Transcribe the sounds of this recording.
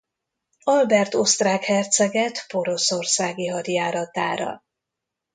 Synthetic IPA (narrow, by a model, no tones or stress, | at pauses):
ɒlbɛrt̪o̞st̪raːkhɛrt̪sɛɡɛt̪po̞ɾo̞so̞rsaːɡiɦɒɾjaːɾɒt̪a̰ːɾɒ̰